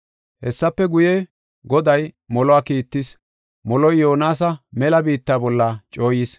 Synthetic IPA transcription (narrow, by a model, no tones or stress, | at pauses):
hɛsːɐpːɛɡʊje | ɡɔd̪ɐjmɔlɔaːkiːt̪ːɪs | mɔlɔjːoːnaːs̬ɐmɛlɐbiːt̪ːaːbɔlːat͡ʃʼo̞ːjɪs